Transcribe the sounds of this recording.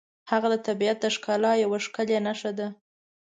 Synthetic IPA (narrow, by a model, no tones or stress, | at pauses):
haɣad̪ət̪abiat̪̚d̪əʃkɑlɑjawaʂkəlenaʃad̪a